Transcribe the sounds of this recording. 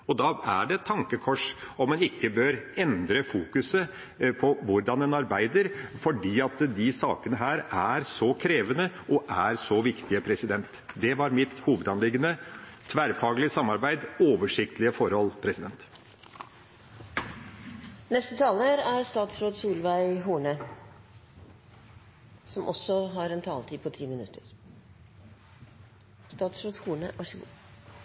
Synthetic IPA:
ɔd̪ɑːæɖɛt̪ʰːɑŋkəkʰɔʂɔmːɛnɪkːəbøːɾɛnd̪ɾəfuːkʉsə | pʰɔʋʊɾɖɑnɛnɑɾbæɪd̪əɾfɔɖiːɑt̪d̪ɪsɑːkənəɦæːɾæɾsɔkʰɾeːʋənəʔɔʔæɾsɔʋɪkt̪ɪəpʰɾɛsɪd̪ɛnt̪d̪ɛʋɑɾmɪt̪huːʋəd̪ɑnlɪɡənət̪ʰʋæɾfɑːɡəlɪəsɑmːɑɾbæɪd̪oːʋəʂɪk̚t̪lɪəfɔɾhɔlpʰɾɛsɪd̪ɛnt̪ | nɛst̪ət̪ʰɑːləɾæɾst̪ɑːt̪sɾoːd̪suːlʋæɪɦuːɳə | sɔmʔɔsɔɦɑɾɛnt̪ʰɑːlt̪ʰiːd̪pʰɔt̪ʰiːmɪnʉt̪ːəɾ | st̪ɑːt̪sɾoːd̪huːɳəʔɑʂu

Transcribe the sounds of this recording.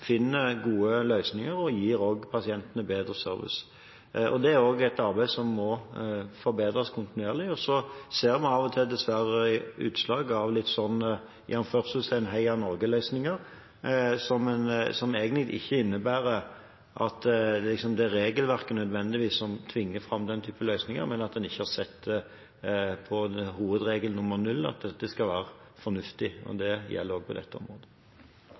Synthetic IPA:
fɪnːəɡuːəlœʏsnɪŋəɾɔjiːɾoːɡpʰɑsɪɛnt̪ənəbeːd̪ɾəsœ̰ɾʋɪ̰s | ʔɔ̰d̪ɛæɾoːɡɛt̪ɑʁbæɪsɔmːɔfɔɾbeːd̪ɾɑskʰʊnt̪ɪnʉeːʁlɪɔsɔseːɾmɑnɑʋɔt̪ʰɪld̪ɛsʋæɾəʉ̰ːt̪slɑːɡɑʋlɪt̪ːsɔnː | jænnføːʁsəsæɪɛnɦæɪɑnɔɾɡəlœʏsnɪŋəɾ | sɔmɛnsɔmeːɡənɪɪ̰çːəɪnːəbæːɾə | ʔɑt̪lɪksɔmd̪ɛɾeːɡəlʋæʁkənœd̪ʋɛnd̪ɪʋiːsːɔmt̪ʰʋɪŋːəfʁɑmd̪ɛnt̪ʰyːpəlœʏsnɪŋə̰ɾmɛnɑt̪̚d̪ɛnɪçːəhɑʁsɛt̪ː | pʰɔhuːʋəd̪ɾeːɡəlnʊmːəʁnʉlːɑ̰t̪̚d̪ɛt̪ːəskɑʋæːɾə | fɔnʉft̪ɪɔ̰d̪ɛjɛ̰lːəɾoːɡ̚pʰɔd̪ɛ̰t̪ʰːəɔ̰mɾoːd̪ə

